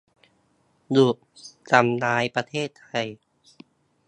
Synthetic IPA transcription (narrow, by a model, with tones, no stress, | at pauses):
du˨˩ʔ | t͡ɕa˧˩mnaː˦˥jpɾa˧t̪ʰeː˥˩t̪ʰːa˧j